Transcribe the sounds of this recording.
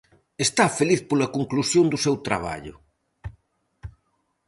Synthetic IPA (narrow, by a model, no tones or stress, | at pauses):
est̪afeliθpolɐkoŋklusjond̪ʊsewt̪ɾa̰β̞a̰ʎʊ̰